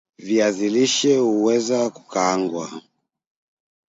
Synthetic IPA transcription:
viaziliʃɛuwɛzaku̥kaːŋɡwa

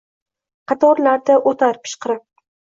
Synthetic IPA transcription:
qʰɑt̪ʰɒɾlaɾd̪aʔot̪ʰaɾpʰɪ̥ʃqɨɾɪp̚

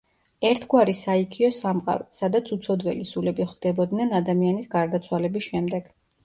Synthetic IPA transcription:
ɛɾt̪ʰɡwaɾisaikʰiɔsamqʼa̰ɾɔsad̪at̪sʰut̪sʰɔd̪wɛlisulɛbiχvd̪̥ɛbɔd̪nɛnad̪amianisɡaɾd̪at̪sʰwalɛbisʃɛmd̪ɛɡ̥

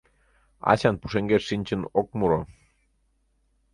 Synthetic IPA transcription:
ɑ̰t͡ɕɑnpu̥ʃeŋɡeːinʲt͡ɕənok̚muɾo

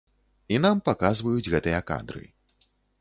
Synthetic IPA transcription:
inampakazvɐjud͡zʲɣɛt̪ɨjɐka̰nd̪ɾɨ̰

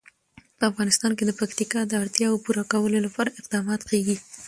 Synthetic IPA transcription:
pəafɣɑnɪst̪ɑnked̪əpakt̪ikɑd̪əaɽt̪jɑwopuɾɑkawəlolapɑɾaɪqd̪ɑmɑt̪keɡi

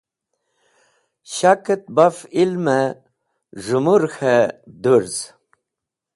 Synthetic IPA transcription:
ɕakət̪̚bafilmə | ʐumuɾxed̪uɾz

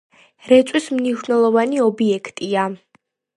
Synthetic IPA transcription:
ɾɛt̪sʼwismniʃnɛlˠɔvaniɔbiɛkʰt̪ʼia

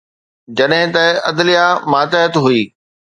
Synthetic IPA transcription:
d͡ʑɐɗɦɪ̃t̪ɐʔɐd̪lijamaːt̪əɦət̪ɦuiː

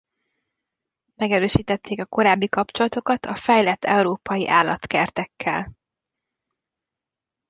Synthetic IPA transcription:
mɛɡɛɾøːʃiːt̪ɛt̪ːeːkɒko̞ɾaːbːikɒpt͡ʃo̞lɒt̪o̞kɒt̪ʰɒfɛjlɛt̪ʰːɛuɾoːpɒjiʔaːlːɒt̪kɛrt̪ɛkʰːɛ̰l

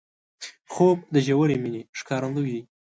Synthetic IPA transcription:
xob̚d̪əʒawəɾemineʂkɑɾand̪ujd̪i

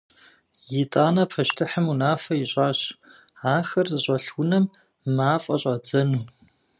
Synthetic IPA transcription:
jɪtʼaːnɐpʰɐʃtʰɨħəmunaːfɐjiɕʼaːɕaːxɐrzɨɕʼɐɬwʷʊnɐmː | aːfʼɐɕʼɐd͡zɐnuː

